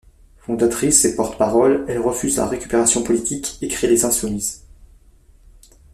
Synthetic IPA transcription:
fɔ̃d̪at̪χisepɔʁt̪ə̥paʁɔlɛlʁəfyzla̰ʁekʲy̥peʁasjɔ̃pɔlit̪ikekχilezɛ̃sumiz

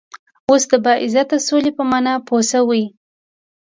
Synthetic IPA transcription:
osd̪əbɑʔɪzat̪̚əsolepəmɑnɑpʰosawi

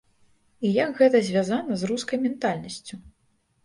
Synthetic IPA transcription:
ijakɣɛt̪ɐzʲvʲazanɐzruskɐjmʲɛnt̪alʲnɐsʲt͡sʲu

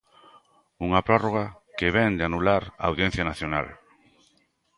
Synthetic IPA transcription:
uŋapɾɔroɣ̞a | keβ̞ɛnd̪eanulaɾaawðjɛ̃n̟θjanaθjona̰l

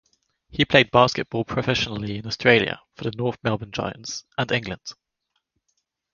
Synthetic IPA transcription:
hipʰl̥eɪd̚b̥ɑˑskɪʔ̚b̥ɔːlˠpʰɹ̥əfɛʃənəliɪ̃nɔstɹ̥eɪljə̰fəðənɔˑθmɛlˠbə̃nd͡ʒa̰ɪə̰̃ntsʔə̃nɪ̃ŋɡlə̃nd̥

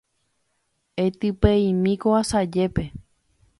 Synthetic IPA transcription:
et̪ɨpeĩmĩkoasad͡ʒepe

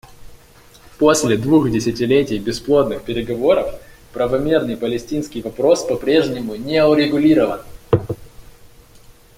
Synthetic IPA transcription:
po̞sʲlʲɪd̪vuxdʲɪsʲɪtʲɪlʲetʲɪjbʲɪsplˠot̪nɨxpʲɪɾʲɪɡɐvo̞ɾəf | pɾəvɐmʲernɨjpəlʲɪsʲtʲinskʲɪjvɐpɾo̞spɐpɾʲe̞ʐnʲɪmʊnʲeʊɾʲɪɡʊlʲiɾəvən

